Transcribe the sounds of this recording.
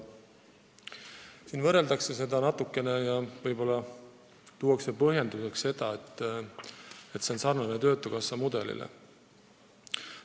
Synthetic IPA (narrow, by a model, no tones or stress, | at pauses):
siːnvɤre̞ld̪̥ɑkse̞se̞d̪ɑnɑt̪ːˑukːˑe̞ne̞jɑvɤjbo̞lːɑ | t̪uːɑkse̞pɤɦje̞nd̪use̞ksse̞d̪̥ɑet̪ˑː | e̞t̪ːse̞o̞nsɑrnɑnet̪ø̞ːt̪ːˑukɑsːɑmud̪̥e̞lḭlʔḛ